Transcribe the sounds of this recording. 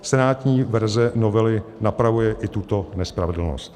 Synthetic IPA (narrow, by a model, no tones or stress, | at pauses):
sɛnaːt̪ɲiːvɛɾzɛnovɛlɪnapɾavujɛʔɪt̪ut̪o̞nɛspɾavɛdl̩no̰st̪